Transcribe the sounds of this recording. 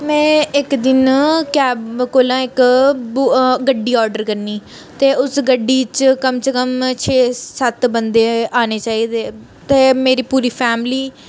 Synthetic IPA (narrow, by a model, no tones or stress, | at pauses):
mɛ̃ːɪkd̪ɪnkɛːbkoːlãːɪk | ɡəɖːiːɔːɾɖəɾkəɾniː | t̪eːʊsɡəɖiːt͡ʃkəmt͡ʃəkəmt͡ʃʰeːsət̪bənd̪eːaːneːt͡ʃaːiːd̪eː | t̪eːmeːɾiːpuːɾiːpʰɛːmliː